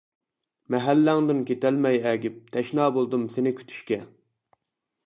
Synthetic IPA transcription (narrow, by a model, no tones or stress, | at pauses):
mɛɦælːæŋd̪ɨnkʲʰet̪ælmɛjɛːɡʲip̚t̪ʰɛʃnɑːbolˠd̪ɨmsenɪkʲʰy̥t̪ʰy̥ʃkʲɛ